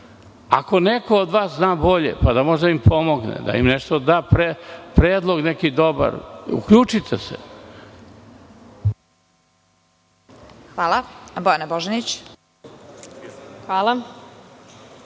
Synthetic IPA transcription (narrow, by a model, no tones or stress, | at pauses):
ako̞nekoːd̪ʋaːsznaːbo̞ʎḛpad̪amo̞ʒd̪aimpʰo̞mo̞ɡnḛd̪a̰ḭmneʂt̪od̪aːpɾepɾeːd̪lˠo̞ɡnekid̪o̞ba̰ɾṵkʎuːt͡ʃit̪ʰesḛ | xʋaːlˠabojeneboʒenit͡ɕ | xʋaːlˠa